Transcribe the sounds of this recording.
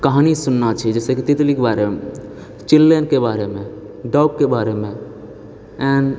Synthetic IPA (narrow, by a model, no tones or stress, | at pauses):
kəɦanisunːat͡ʃʰid͡ʒɛsekit̪ɪt̪likbaɾem | t͡ʃilːenkebaɾemẽ | ɖɔuk̚kːebaɾemẽ | ɛ̃n